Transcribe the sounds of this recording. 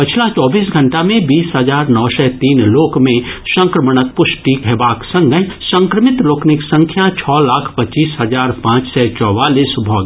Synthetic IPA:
pɪt͡ʃʰlat͡ʃɔːbiːs̬ɡʱɐ̃ɳʈamẽbiːsɦəzaːɾnɔːsɛt̪iːnloːkmẽsə̃ŋkɾəməɽ̃ək̪̚pʊʃʈikɦɛbaːksɐ̃ŋɡəsɐ̃ŋkɾəmɪt̪loːknɪksə̃ŋkʰjat͡ʃʰɔːlaːkʰpɐt͡ʃiːsɦɐzaːɾpãːt͡ʃsɛt͡ʃɔːwaːliːsbʱɔːɡ

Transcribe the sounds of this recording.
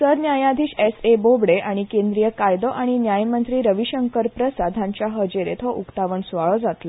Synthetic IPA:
səɾnjajãd̪ʱiːɕesebobɽeʔaɽ̃ikẽnd̪ɾijəkajd̪ɔʔaɽ̃injajmənt̪ɾiːɾəʋiɕəŋkəɾpɾəsad̪ʱãɲt͡ɕjaɦəd͡ʑeɾet̪ɦɔʔukt̪aʋəɳsʋaɭɔd͡zat̪lə

